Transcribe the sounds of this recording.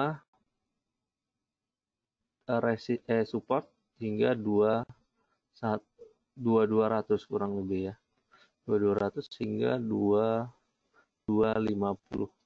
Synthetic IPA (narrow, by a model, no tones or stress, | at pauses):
a | ɾesiʔɛsupɔrt̪̚ | hiŋɡadua | sat̪̚ | duaduaɾat̪ʊskuɾaŋləbɪja | duaduaɾat̪ʊshiŋɡa̰dua | dualimapṵlʊh